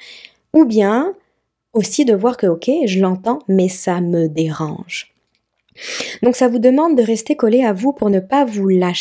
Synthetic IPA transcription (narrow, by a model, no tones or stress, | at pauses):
ubjɛ̃ | osid̪əvwaʁkəokʲʰeʒəlɑ̃t̪ɑ̃mɛsaməd̪eʁɑ̰̃ʒ | d̪ɔ̃ksavud̪əmɑ̃d̪̚ːəʁɛst̪ekɔleavupuʁnəpavulaʃ